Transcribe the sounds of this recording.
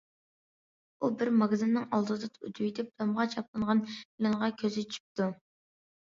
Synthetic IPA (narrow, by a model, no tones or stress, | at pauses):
ubɪɾmɑɡzɨnːɨŋɑlˠd̪ɨd̪ɨt̪ʰṵt̪ʰujit̪ʰɪp̚d̪ʰɑmʁɑt͡ʃʰɑp̚lˠɨnʁɑnpɪlɨŋʁɑkʲʰøzɪt͡ʃʰy̥p̚t̪u